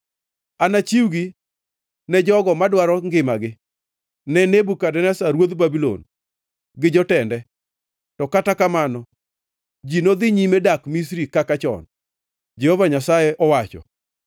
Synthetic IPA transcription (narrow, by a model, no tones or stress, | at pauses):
anat͡ʃiwɡi | nɛd͡ʒɔɡɔmadwaɾɔŋɡɪmaɡɪ | nɛnebukadɛnɛsaɾwod̪babilo̰n | ɡɪd͡ʒɔtɛndɛ | tɔkatakamanɔ | d͡ʒinod̪ɪɲimedakmis̬ɾikakat͡ʃɔ̰n | d͡ʒɛhovaɲasajɛʔɔwat͡ʃɔ̰